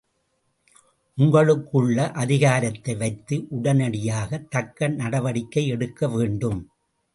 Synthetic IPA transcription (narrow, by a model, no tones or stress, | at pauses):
ʔʊŋɡɐɭɯkːɯɭːɐʔɐðɪɣaːɾɐt̪ːɐɪʋɐɪt̪ːɯʔʊɽɐnɐɽɪjaːɣɐt̪ːɐkːɐnnɐɽɐʋɐɽɪkːɐɪɛɽɯkːɐʋeːɳɖɯm